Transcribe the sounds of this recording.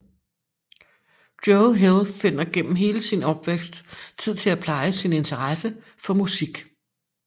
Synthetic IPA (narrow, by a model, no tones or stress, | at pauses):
d̥joʊɦelˠfe̝n̰ɐɡ̥en̰m̩ɦe̝ːləsinɒ̽b̥ʋeɡ̥sd̥t͡sʰið̰ˠt͡sʰe̝læpʰlɑ̈ɪəsine̝nt͡sʰɐʁɑsə | fɒ̽musiɡ̥